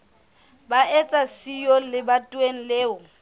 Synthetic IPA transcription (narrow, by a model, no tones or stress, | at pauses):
baʔɛt͡sʼasijɔlɪbatʼweŋ̩leːʊ